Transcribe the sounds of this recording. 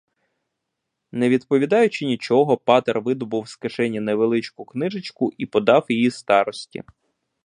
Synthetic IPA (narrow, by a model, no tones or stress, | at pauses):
neʋʲid̪pɔʋʲid̪ɑjʊt͡ʃɪnʲit͡ʃɔɦɔpɑt̪erʋɪd̪ɔbʊwskɐʃɛnʲːɐnɐʋelˠɪt͡ʃkʊknɪʒɪt͡ʃkʊʔipɔd̪ɑwjijist̪ɑɾɔsʲtʲḭ